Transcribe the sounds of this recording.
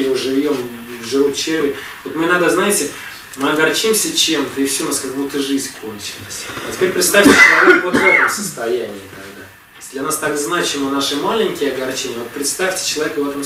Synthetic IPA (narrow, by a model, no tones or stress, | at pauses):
jʐɨvʲo̞m | vʐɨvut̪t͡ɕervʲɪɾʲ | vot̪mɨnad̪əznajɪtʲɪ | mɨɐɡɐrt͡ɕimsʲət͡ɕe̞mt̪əɪfsʲunaskakmut̪ɨʐɨzʲnʲkʰo̞nt͡ɕɪlˠəsʲɐtʲɪ̥pʲeɾʲpɾʲɪt̪st̪afʲtʲɪt͡ɕɪlˠɐvʲekvot̪vɛt̪əmsə̥st̪ɐjænʲɪːt̪ɐɡd̪a̰ | jsʲdlʲɐnast̪aɡznat͡ɕɪmənaʂɨmalʲɪnʲkʲɪjɐɡɐrt͡ɕenʲɪəvot̪pɾʲɪt̪st̪afʲtʲɪ̥t͡ɕɪlˠɐvʲekəvɛt̪əm